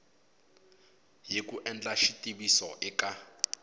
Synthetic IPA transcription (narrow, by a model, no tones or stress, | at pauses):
jekʼuʔɛnd͡ɮʼaʃitʼibisɔʔɪka